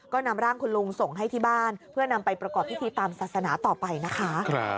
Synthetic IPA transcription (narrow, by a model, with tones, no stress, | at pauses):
kɔː˥˩na˧mɾaː˥˩ŋkʰu˧nlu˧ŋso˨˩ŋɦa˥˩jt̪ʰiː˥˩baː˥˩npʰɯ˥˩əna˧mpa˧jpɾa˧kɔː˨˩p̚ʰːi˦˥t̪ʰiː˧t̪aː˧msaː˨˩t̪̚sa˧naː˩˦˥t̪ɔː˨˩pa˧jna˦˥kʰa˦˥kʰɾ